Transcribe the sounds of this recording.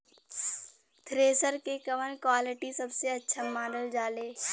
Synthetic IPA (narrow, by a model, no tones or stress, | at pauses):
t̪ʰɾeːsəɾkekɐʋənkwaːlɪʈisɐbseɐtːʃʰamãːnɖəld͡ʒaːleː